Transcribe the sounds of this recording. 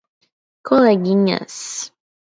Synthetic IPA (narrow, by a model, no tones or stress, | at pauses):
kʰoleɡiɲa̰s